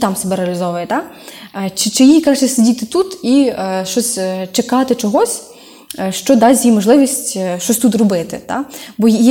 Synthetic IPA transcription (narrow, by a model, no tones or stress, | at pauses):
t̪ɑmsebɛɾeɐlʲɪzɔʋʊjɛt̪ɑ | t͡ʃɪt͡ʃɪjikɾɑt͡ʃɪsedʲit̪ɪt̪ut̪iʃt͡ʃɔsʲt͡ʃekɑt̪ɪt͡ʃɔɦɔsʲ | ʃt͡ʃɔd̪ɑsʲjimɔʒlˠɪʋʲisʲtʲʃt͡ʃɔsʲt̪ut̪rɔbɪt̪ɪ̰t̪ɑ̰bɔ